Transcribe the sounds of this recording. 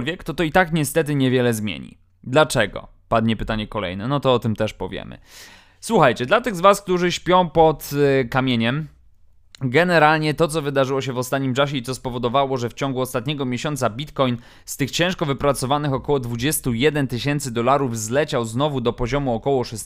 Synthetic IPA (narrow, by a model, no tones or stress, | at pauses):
lvʲjɛkt̪ɔt̪ɔit̪akɲɛst̪ɛt̪̬ɘɲɛvʲjɛlɛzmʲjḛɲḭ | d̪lat͡ʂɛɡɔ̰ | pad̪ɲɛpɘt̪aɲɛkɔlɛ̰jnɛnɔt̪ɔɔt̪ɘmt̪ɛʂpɔvʲjɛ̰mɘ̰ | swuxajt͡ɕɛd̪lat̪ɘɣzvask̚t̪uʐɘɕpʲjɔ̃w̃pɔt̪kamʲjeɲɛm | ɡɛnɛɾalɲɛt̪ɔt̪sɔvɘd̪aʐɘwɔɕ̬ɛvɔst̪at̪̚ɲimt͡ʂaɕ̬ɛit̪sɔspɔvɔd̪ɔvawɔʐɛft͡ɕɔŋɡuɔst̪at̪̚ɲɛɡɔmʲjeɕɔnt̪sabʲit̪kɔjn | st̪ɘxt͡ɕɛ̃w̃ʂkɔvɘpɾat̪sɔvanɘxɔkɔwɔd̪vud͡ʑɛst̪ujɛd̪ɛnt̪ɘɕɛnt̪sɘd̪ɔlaɾuvzlɛt͡ɕawznɔvud̪ɔpɔʑɔmuɔkɔwɔʂɛs